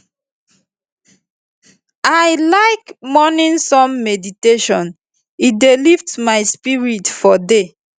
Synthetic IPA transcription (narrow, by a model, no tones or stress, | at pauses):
ajlaɪkmɔnĩnsɔ̃mːɛditeʃɔ̃n | idelivtmaɪspiɹitfɔde